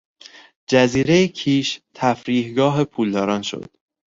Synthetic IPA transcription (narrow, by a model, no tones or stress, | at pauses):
d͡ʒæziːɾejecʰiːʃt̪ʰæfɾiːhɡɒːɦe̞pʰuːld̪ɒːɾɒːnʃo̰d̪̥